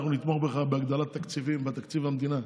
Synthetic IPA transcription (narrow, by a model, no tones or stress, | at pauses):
χnunit̪moχbeχabeaɡd̪alat̪ːakt͡sivimbat̪akt͡sivamd̪ina